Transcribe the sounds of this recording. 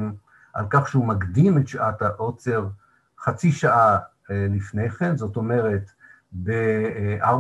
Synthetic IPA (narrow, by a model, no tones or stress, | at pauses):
m | ʔa̰lkaχʃeumakd̪imetʃʔataʔo̞t͡se̞ʁ | χat͡siʃaʔa | lifnejχe̞nzo̞to̞me̞ʁe̞t | beʔa